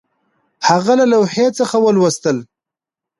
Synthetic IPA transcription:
haɣalalawhet͡səxawəlwəst̪əl

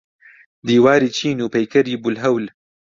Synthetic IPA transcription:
d̪iːwaːɾiːt͡ʃʰiːnuːpɐjkʰɐɾiːbulɦɐwl

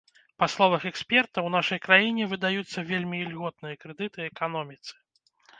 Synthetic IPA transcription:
paslˠɔvɐxɛksʲpʲɛrt̪ɐwn̪aʂɐjkɾajinʲɛvɨd̪ajut̪sːɐvʲelʲmʲilʲɣɔt̪̚nɨjɐkɾɛd̪ɨt̪ɨɛkanɔmʲit̪sɨ̥

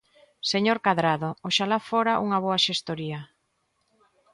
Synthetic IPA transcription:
seɲoɾkaðɾaðooʃalafoɾaʔuŋaβ̞oaʃest̪oɾia

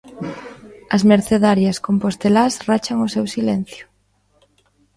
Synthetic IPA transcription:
ɐzmeɾθeðaɾjɐskompost̪elasrat͡ʃɐŋʊsewsilɛn̟θjʊ

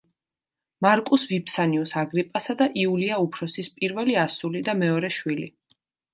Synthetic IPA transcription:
maɾkʼusvipʰsaniusaɡɾipʼasad̪aʔiuliaupʰɾɔsispʼiɾvɛliasulid̪amɛɔɾɛʃwilḭ

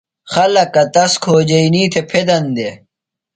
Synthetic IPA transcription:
xɐlɐkːɐt̪ɐskʰoːd͡ʑɐiniːt̪ʰepʰed̪ɐnd̪e

